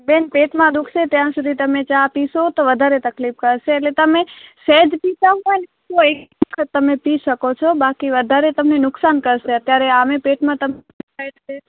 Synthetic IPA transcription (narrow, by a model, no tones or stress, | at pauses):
benpeʈmãd̪ukʰʃet̪jãsud̪ʱit̪əmet͡ʃapiʃot̪oʋəd̪ʱaɾet̪əklip̚kəɾʃeːlet̪əmesɛd͡ʒpitaɦɔjn | oekkʰət̪ːəmepiʃəkot͡ʃʰɔbakiʋəd̪ʱaɾet̪əmnenʊksankəɾʃeət̪jaɾeamepeʈmãt̪əm | ae